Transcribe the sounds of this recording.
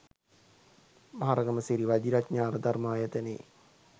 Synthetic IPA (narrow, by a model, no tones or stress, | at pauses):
maaɾɐɡɐməsiɾiʋad͡ʒiɾatɲaːɾəd̪armaːjət̪enḛː